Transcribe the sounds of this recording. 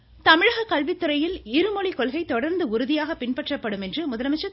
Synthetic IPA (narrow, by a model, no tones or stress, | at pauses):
t̪ɐmɪɻɐɣɐkɐlʋɪt̪ːɯɾɐjɪlɪɾɯmɔɭikɔɭɣɐɪt̪ɔɽɐɾnd̪ɯʊɾɯðɪjaːɣɐpɪnpɐʈrɐpːɐɽɯmɛndrɯmʊðɐlɐmɐt͡ʃːɐ